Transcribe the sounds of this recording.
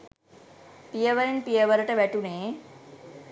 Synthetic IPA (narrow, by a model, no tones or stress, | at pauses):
pijəʋəɾinpijəʋəɾəʈəʋæʈuneː